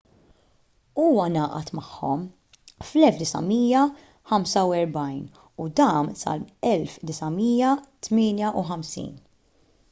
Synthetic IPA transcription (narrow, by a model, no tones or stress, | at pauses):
uːwɐnɐːʔɐt̪mɐħːɔm | flɛlfd̪ɪsɐ̰miːjɐ | ħɐmsɐwɛɾbɐjn | ud̪ɐːmsɐ̰lɛlfd̪ɪsɐmiːjɐt̪mɪːnjɐʔuħɐmsḭːn